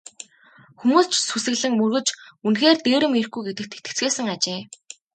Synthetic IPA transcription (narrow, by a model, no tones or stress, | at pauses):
xumuːst͡ɕsusɘ̆ɣɮɘ̆ŋmɵrɣɵ̆t͡ɕunxeːrt̪eːɾɘ̆mirxɡujɡet̪ɘ̆k̚t̪ʰe̥kʰt̪ɘ̥̆t͡sɡeːsɘ̆ŋat͡ɕeː